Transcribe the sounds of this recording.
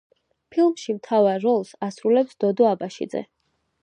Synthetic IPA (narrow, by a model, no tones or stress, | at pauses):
pʰilˠmʃimt̪ʰavaɾːɔlˠsasɾulɛpsd̪ɔd̪ɔabaʃḭd̪zɛ̰